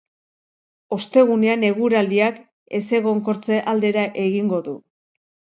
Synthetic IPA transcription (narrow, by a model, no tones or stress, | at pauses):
o̞st̪e̞ɣune̞ane̞ɣuɾaliak | e̞̰se̞ɣ̞o̞ŋko̞ɾt͡se̞ʔald̪e̞ɾaʔe̞ɣiŋɡo̞ðu